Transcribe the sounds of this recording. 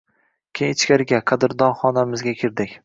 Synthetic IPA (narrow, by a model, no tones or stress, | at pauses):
kʲʰejɪt͡ʃkʲaɾɪɡʲaqʰɑd̪ɪɾd̪ɒnχɒnamɪzɡʲakʲʰɪɾd̪ɪkʲ